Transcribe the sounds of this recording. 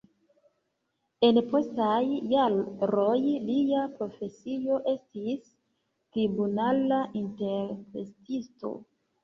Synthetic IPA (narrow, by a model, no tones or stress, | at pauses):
e̞npo̞stajːaɾo̞jliapɾo̞fe̞sio̞ʔe̞stis | tɾibunalaʔinte̞ɾpɾḛstisto̰